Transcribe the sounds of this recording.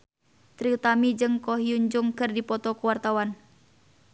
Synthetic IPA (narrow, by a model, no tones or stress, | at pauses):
t̪ɾiut̪amid͡ʒɨŋkɔɦiuɲd͡ʒʊŋkɨrdipɔt̪ɔkuwart̪awan